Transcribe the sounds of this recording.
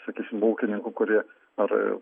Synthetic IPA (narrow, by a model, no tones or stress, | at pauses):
sɐkʲiːsʲɪmboːkʲɪnʲɪŋkʊkʊɾʲiɛ | ɐɾ